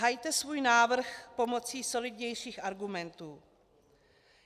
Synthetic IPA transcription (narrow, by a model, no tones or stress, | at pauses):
ɦajt̪ɛsvuːjnaːvr̩xpo̞mo̞t͡siːso̞lɪdɲɛjʃiːxʔaɾɡumɛnt̪uː